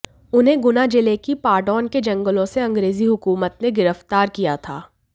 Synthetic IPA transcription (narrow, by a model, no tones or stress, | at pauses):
ʊnɦẽɡʊnad͡ʒɪlekipaːɖɔːnked͡ʒɐ̃ŋɡəlõseɐ̃ŋɡɾeːziɦʊkuːmət̪neɡɪɾəft̪aːɾkijat̪ʰa̰ː